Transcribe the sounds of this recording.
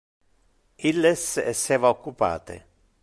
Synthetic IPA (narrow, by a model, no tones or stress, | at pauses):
ilːɛsɛsːɛːvaokːupa̰ːt̪ḛ